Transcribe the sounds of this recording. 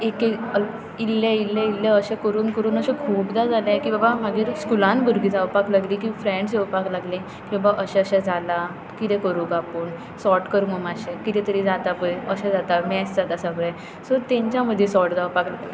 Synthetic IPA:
ekeə | ilːailːailːaəɕẽkəɾuːnkəɾuːnəɕẽkʰuːpd̪ad͡zalãkibabamaɡiːɾskulãnbʱuɾɡid͡zawpaklaɡliːkifɾẽɳɖs̬ewpaklaɡlẽ | kibabaʔəɕaəɕad͡zala | kit̪ɛ̃kəɾuːɡapuːn | sɔʈkəɾumomaɕekit̪ɛ̃t̪əɾid͡zat̪apəjəɕad͡zat̪amɛsd͡zat̪asabɭã | səɾt̪ɛ̃ɲt͡ɕjaməd̪ʱːjesɔʈd͡zawpaklaɡ

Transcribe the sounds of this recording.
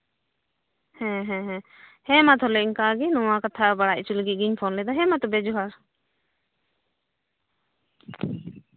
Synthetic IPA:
hɛ̃ɦɛ̃ɦɛ̃ | hɛ̃mat̪ʰɔlɛiŋkaɡɛnɔ̃wakat̪ʰabaɽaʔ̚t͡ʃulɡiɡiɲpʰɔnlɛd̪ɔɦɛmat̪ɔbɛd͡ʒɔɦaɾ

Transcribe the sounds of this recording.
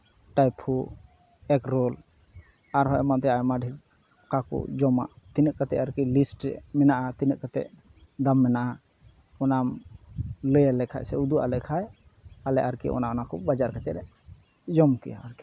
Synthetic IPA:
ʈajpʰu | ɛkɾɔl | aɾɦɔmant̪ɛajmaɖʱi | kakṵʔd͡ʒɔma̰ʔ | t̪inəʔ̚kat̪ɛʔaɾkilisʈɛ̰mɛnaʔat̪inəʔkat̪ɛ̰ʔ | d̪amːɛnaʔa | ɔnam | ləjalɛkʰa̰ʔsɛud̪uʔa̰lɛkʰaj | alɛ̰ʔaɾkḭʔɔ̰naɔnakɔbad͡ʒaɾkat͡ʃɛɾɛ | d͡ʒɔmkɛ̰ja̰aɾki

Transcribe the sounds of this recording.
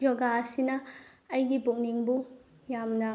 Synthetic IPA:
d͡ʒɔɡaɐsinɐ | ɐjɡibuk̚niŋbu | jamnɐ

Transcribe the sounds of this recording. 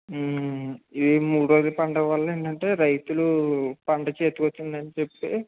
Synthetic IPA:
iimuːɽɾo̞ːd͡ʒɐpɐɳɖɐʋɐlːɐeːɳʈɐɳʈe̞ːɾɐjt̪ulupɐɳɖɐt͡ʃe̞ːt̪ukot̪ːund̪ɐnit͡ʃepːi

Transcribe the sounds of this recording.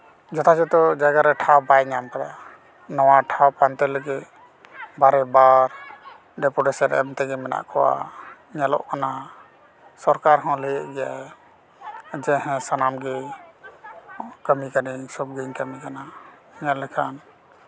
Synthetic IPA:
d͡ʒɔt̪ʰad͡ʒɛt̪ɔd͡ʒaɡaɾɛʈʰawbajɲamkad̪a | nɔwaʈʰawpant̪ɛləɡit̪ | baɾɛbaɾ | ɖɛpuʈɛsɛɾɛ̰mt̪ɛɡɛmɛna̰ʔkʰɔwa̰ | ɲalɔ̰ʔkana | sɔɾkaɾɦɔ̃ləɡɛʔɡɛja | d͡ʒɛɦɛ̃sanamɡɛ | kəmikanisɔp̚ɡiɲkəmikana | iɲalɛkʰan

